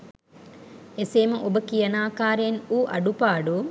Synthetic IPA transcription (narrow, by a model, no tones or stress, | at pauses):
eseːmɐʔobɐkijɐnaːkaːɾenuːʔɐ̰ɖupaːɖu